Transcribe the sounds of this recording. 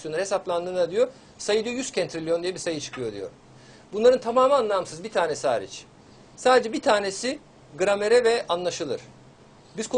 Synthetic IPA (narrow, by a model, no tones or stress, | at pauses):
jonɾhɦe̞saplˠand̪ɯːnad̪ijo̞ | sajɯd̪ijo̞jyscʰɛnt̪ɾilʲijo̞nd̪ijɛbiɾsajɯt͡ʃʰɯ̥kʰɯjo̞d̪ḭjo̰ | bunlˠaɾɯnt̪ʰamaːmaanlˠamsɯzbit̪ʰaːnesiha̰ːɾḭt͡ʃ | saːd̪ed͡ʒɛbit̪ʰaːne̞si | ɡɯɾame̞ɾɛvɛʔanlˠaʃɯlˠɯ̰ɾ̥ | bizkʰ